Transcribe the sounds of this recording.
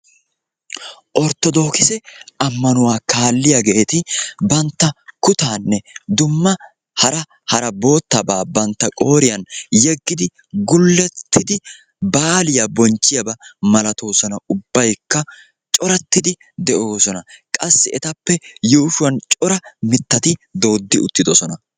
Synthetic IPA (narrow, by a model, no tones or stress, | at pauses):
ʔɔɾt̪ɔd̪o̞ːkɪsɛʔɐmːɐnʊwaːkaːlːɪjaɡeːt̪ɪbɐnt̪ːɐkʊt̪aːnːɛd̪ʊmːɐ | hɐɾɐ | hɐɾɐbo̞ːt̪ːɐbaːbɐnt̪ːɐkʼo̞ːɾɪjɐnjɛɡːɪd̪ɪ | ɡʊlːɛt̪ʰːɪd̪ɪ | baːlɪjɐbɔnt͡ʃːɪjɐbɐmɐlɐt̪o̞ːsɔnɐʊbːɐjkːɐ | t͡ʃʼɔɾɐt̪ːɪd̪ɪ | d̪ɛʔo̞ːsɔnɐkʼɐsːɪɛt̪ɐpːɛjuːʃʊwɐnt͡ʃʼɔɾɐmɪt̪ːɐt̪ɪd̪o̞ːd̪ːɪʊ̰t̪ːɪd̪ɔsɔnɐ